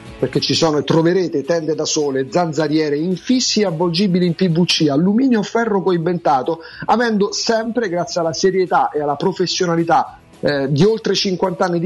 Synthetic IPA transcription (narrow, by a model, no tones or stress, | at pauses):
perk̟et͡ʃːisɔːnoet̪ːɾoveɾeːt̪et̪ɛnd̪ed̪asɔːled̪zand̪zaɾjɛːɾeiɱfisːieavːold͡ʒiːbiliimpivut͡ʃːialːumiːnjofɛrːokoiɱvent̪aːt̪o | avɛnd̪osɛmpɾeɡɾat̪sːjalːaseɾjet̪aʔealːapɾofesːjonalit̪a | d̪iolt̪ɾet͡ʃiŋkwant̪anːid̪